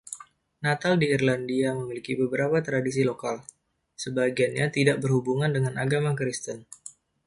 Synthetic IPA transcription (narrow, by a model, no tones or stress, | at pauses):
nat̪aldiːrlandiaməmilikibəbəɾapat̪ɾadis̬ilokal | səbaɡianɲat̪idaʔ̚bərhubuŋandəŋanaɡamakɾist̪ən